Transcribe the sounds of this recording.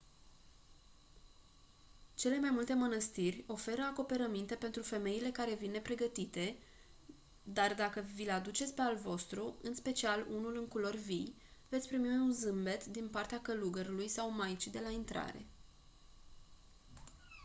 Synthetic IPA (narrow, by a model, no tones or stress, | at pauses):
t͡ʃe̞le̞majmult̪e̞mənəst̪irʲo̞fe̞ɾəako̞pe̞ɾəmint̪e̞pe̞nt̪ɾufe̞me̞ile̞kaɾe̞vinːe̞pɾe̞ɡət̪it̪e̞ | d̪ard̪akəvilad̪ut͡ʃe̞t̪sʲpe̞alvo̞st̪ɾuɨnspe̞t͡ʃialunulɨŋkulo̞rʲvij | vet̪sʲpɾimiunzɨmbe̞t̪d̪inpart̪eakəluɡəɾulujsawmajt͡ʃid̪e̞laint̪ɾa̰ɾe̞̰